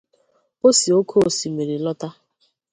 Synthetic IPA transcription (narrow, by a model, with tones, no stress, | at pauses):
o˦si˨o˦kʰo˦˨si˨me˨ɾi˨lɔ˦ta˦